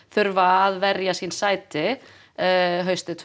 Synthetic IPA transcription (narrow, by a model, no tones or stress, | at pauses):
θʏɾvaːðvɛɾjasinsaːjt̪ɪ | ɦœɥst̪ɪt̪ʰ